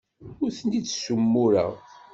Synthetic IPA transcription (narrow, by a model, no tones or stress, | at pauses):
ʊɾθnit͡sːsumːʊɾə̰ʁ